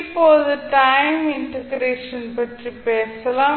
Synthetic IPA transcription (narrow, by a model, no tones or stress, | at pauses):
pːoːðɯʈɐɪmɪɳʈɐɡɾeːʂɐnpɐʈripeːsɐlãː